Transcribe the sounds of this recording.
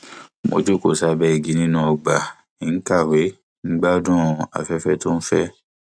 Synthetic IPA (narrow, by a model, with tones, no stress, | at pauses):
mo̰˨d͡ʒo˦ko˦˨sa˨˦bɛ˦i˨ɡi˨˦nĩ˦nũ˦ɔ˧ɡ͡ba˨ | i˨ŋ̩˦ka˦˨we˨˦ | ŋ͡m̩˦ɡ͡ba˦o˦dɔ̃˦˨ɔ̃˨˧a̰˨fɛ˦fɛ˦to˦n̩˦fɛ˦